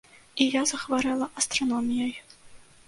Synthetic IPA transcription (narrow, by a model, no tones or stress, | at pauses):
ijɑzɤ̆χʋɑɾɑlʲˠɤʔast̪ronomʲijɑj